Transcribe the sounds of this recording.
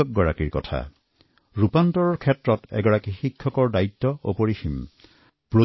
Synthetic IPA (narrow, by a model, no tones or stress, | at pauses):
ɔk̚ɡɔɹa̰kiɹkɔ̰tʰa̰ | ɹupantɔɹɔɹkʰɛtɹɔtɛ̰ɡɔɹakixikʰːɔkɔɹdaitːɔo̰poɹixim | pɹo